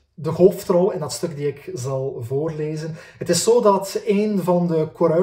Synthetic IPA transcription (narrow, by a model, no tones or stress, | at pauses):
dəɦoːftrɔlɪndɑtstɵkdiɪkzɑlˠvoːrleːzənɦətɪsːoːdɑteːnvɑndəkoɾœ